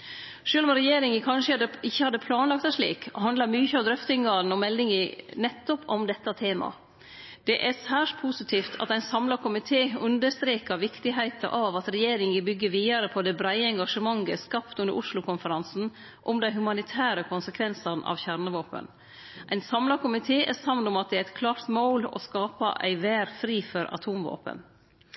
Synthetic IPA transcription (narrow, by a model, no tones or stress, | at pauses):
ʂøːlɔmɾɛjeːɾɪŋəkʰɑnʂəd̪əɪçːəhɑd̪ːəpʰlɑːnlɑk̚t̪æʂɭḭːkɔ̰hɑnd̪lɑmyːçəɑʋd̪ɾœft̪ɪŋɡɑːn̩ɔmɛld̪ɪŋənɛt̪ːɔpɔmd̪ɛt̪ːɑt̪ʰeːmɑ̰ | d̪̥ɛʔæsæːʂʈ̪pʰuːsɪt̪ʰiːft̪ʰɑ̰t̪æɪnsɑmlɑkʰʊmɪt̪ʰeːʉnd̪əst̪ɾeːkəʋɪkt̪ɪɦæɪt̪ɑ̰ʔɑʋɑt̪ɾɛjeːɾɪŋəbʏɡːəʋiːɑɾəpʰɔd̪ɛbɾæɪəɛŋɡɑʂəmɑŋːəskɑpt̪ʉndə̰ʔʊʂlʊkʰʊnfəɾɑnsn̩ | ʔɔmd̪æɪɦʉmɑnɪt̪ʰæːɾəkʰʊnsəkʰʋɛnsɑnʔɑ̰ʋçæɾnəʋoːpə̰n | ʔæɪnsɑmlɑkʊmɪt̪ʰeːʔæsɑmnʊmɑt̪̚d̪ɛæɾɛɪt̪̚kʰlɑːɾt̪moːlɔ̰skɑːpɑ̰ʔæ̰ɪʋæːɾfɾiːfɔɾɑ̰t̪ʰuːmʋo̰ːpə̰n